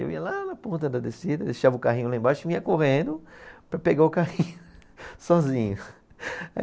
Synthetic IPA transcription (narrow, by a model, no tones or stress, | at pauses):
ḛwḭɐlanɐpõnt̪ɐd̪ɐd̪esid̪ɐd̪eʃavɐʊkaɦiɲʊlaẽbaʃʊviɐkoʁẽnd̪ʊpɾɐpeɡaʊkahĩɲʊsɔzĩɲʊ | a̰